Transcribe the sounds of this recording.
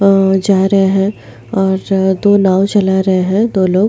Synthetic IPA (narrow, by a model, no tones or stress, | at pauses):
d͡ʒaːɾɐɦeɦɛ̃ | ɔːɾd̪oːnãːwt͡ʃɐlaɾɐɦeɦɛ̃d̪oːloːɡ